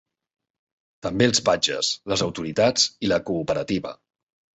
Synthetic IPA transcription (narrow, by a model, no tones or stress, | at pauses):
t̪əmbelˠspad͡ʒə̰sləzəwt̪uɾit̪ad͡ziləkuːpəɾət̪iβə̰